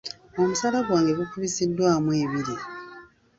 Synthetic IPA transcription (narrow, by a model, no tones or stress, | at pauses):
o̞musalaβwaːŋɡe̞βukuβisidːwaːmweːβiɾi